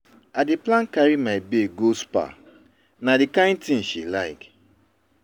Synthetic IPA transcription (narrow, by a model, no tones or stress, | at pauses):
adeplãnkaɹimaibeɡospa̰ | nadikãɪ̃ntĩnʃilaɪk